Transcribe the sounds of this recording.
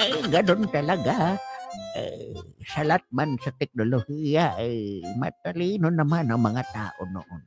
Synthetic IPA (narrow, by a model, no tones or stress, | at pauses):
ajɡanʊnt̪alaɡa | a̰jsalat̪̚mansat̪ɛk̚nolohijaʔajma̰t̪aliːnʊnamanaŋmaŋat̪a̰ːʔono̰ʔon